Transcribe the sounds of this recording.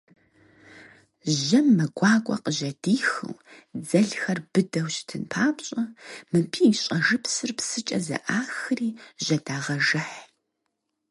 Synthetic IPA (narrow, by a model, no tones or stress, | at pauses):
ʑɐmːɐɡʷɑːkʷʼɔ̰qəʒɐdiːxɨ̰wd͡zɐɮxɐrb̥ɨdɐwɕtʰɨnpʰaːpɕʼɐmɨpʰiːɕʼɐʒɨpsɨrpsɨt͡ʃʼɐzɐ̰ʔaːxɨriːʒɐdaːʁɐʒɨħ